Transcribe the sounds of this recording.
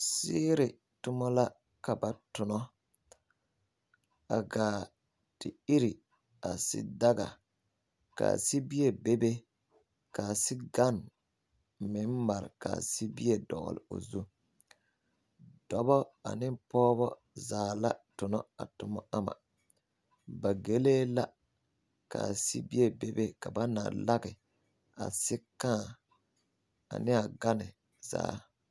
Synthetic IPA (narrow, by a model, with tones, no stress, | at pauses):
sɪː˦ɾɪ˨ | tʊ˦mɔ˦la˦ | ka˨ba˨tʊ˨nɔ˦ | a˨ɡaː˨ | d̥ɪ˨i˦ɾi˨ | a˨sɪ̰˦da˦ɡa̰˨ | ka̰˨si˦bi˦e˨be˦be˦ | ka˨sɪ˦ɡa˦˨n | mɪ˨˦n˦ma˨ɾɪ̰˨ka̰˨si˦bi˦e˦˨dɔ̰˨ɣ̰lɪ̰˨o̰˨zu˦ | d̥ɔ˨bɔ˦a̰˨nɪ˦pɔː˦βɔ˦ | zaː˨la˦tʊ˨nɔ˦a̰˨tʊ˨mɔ˦a˦ma̰˨ | ba˨ɡe˦leː˦la˦ | ka̰˨si˦bi˦e˦be˦be˦ka˨ba˦na̰˨la˦ɡɪ˨ | a̰˨sɪ˦kãː˦˨ | a̰˨nɪ˦a˨ɡa˦nɪ˨ | za̰ː˨˦